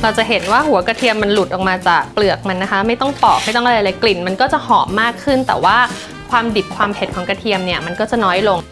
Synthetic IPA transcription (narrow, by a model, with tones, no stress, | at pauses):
ɾa˧wt͡ɕa˨˩ɦe˩˦nwaː˥˩hu˩˦ɐka˧t̪ʰi˧əmːa˧nlu˨˩t̪̚ʔɔ˨˩k̚maː˧t͡ɕaː˨˩k̚plɯ˨˩ək̚ma˧nːa˦˥kʰa˦˥ma˥˩jt̪ɔ˥˩ŋpɔː˨˩k̚ma˥˩jt̪ɔ˥˩ŋʔɾa˧jlaː˨˧˦jkli˨˩nma˧nkɔː˥˩t͡ɕa˨˩ʔhɔː˩˦mːaː˥˩kʰːɯ˥˩nt̪ɛ̰ː˨˩waː˥˩ | kʰwaː˧mdi˨˩p̚kʰwaː˧mpʰe˨˩t̪̚kʰɔː˩˦ŋka˧t̪ʰi˧əmni˥˩ɐma˧nkɔː˥˩t͡ɕa˨˩nɔː˦˥jlo˧ŋ